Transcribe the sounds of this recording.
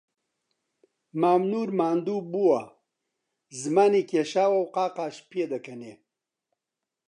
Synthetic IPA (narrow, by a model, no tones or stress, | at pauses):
maːmnuːɾmaːnd̪uːbuwa | zmaːnikeʃaːwɐwqaːqaːʃped̪ɐkɐne